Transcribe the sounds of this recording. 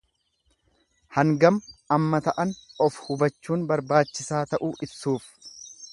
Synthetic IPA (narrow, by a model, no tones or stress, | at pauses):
hɐŋɡɐmɐmːɐt̪ɐʔɐnɔfhʊbɐt͡ʃːuːnbɐɾbaːt͡ʃːɪsaːt̪ɐʔuːʔɪbsuːf